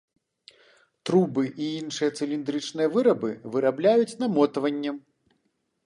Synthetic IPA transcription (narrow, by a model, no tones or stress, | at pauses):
t̪ɾubɨʔiinʂɨjɐt̪sɨlʲind̪ɾɨt͡ʂnɨjɐvɨɾɐbɨvɨɾablʲajut͡sʲnɐmɔt̪ɐvɐnʲːɛm